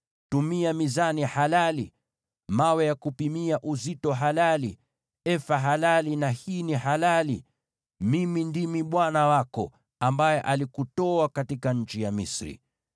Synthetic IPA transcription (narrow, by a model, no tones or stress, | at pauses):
tumiamizanihalali | mawɛjakupimiaʔuzitɔɦalali | ɛfaɦalalinahiːniɦalali | mimindimiɓwanawakɔ̰ | ambajɛʔalikutɔakatikaɲ̩t͡ʃijamisɾḭ